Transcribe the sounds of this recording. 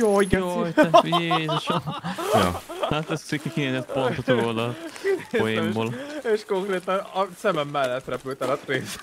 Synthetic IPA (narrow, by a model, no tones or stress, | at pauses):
joːiɡɛoɛjezɛʃoj̰hat̪ɛsikːikineːzɛt̪pont̪ot̪ioːd̪ɒ | ojeːmboːleʃkoŋkreːt̪ɒnɒsɛmɛmːɛlːɛt̪rɛpylt̪ɛlɒt̪reːs